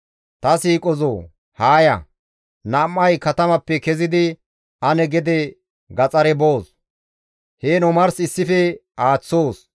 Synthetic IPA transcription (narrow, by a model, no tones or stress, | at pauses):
t̪ɐsiːkʼɔzoː | haːjɐ̰ | nɐmːɐjkɐt̪ɐmɐpːɛkɛzɪd̪ɪ | ɐnɛɡɛd̪ɛ | ɡɐt͡sʼɐɾɛboːs | heːnɔmɐɾsɪsːɪfɛaːt͡sːo̞ːs